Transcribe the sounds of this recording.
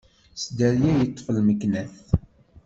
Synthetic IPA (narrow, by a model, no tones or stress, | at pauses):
sd̪æljæjət̪ˤːfəlməkːnæθ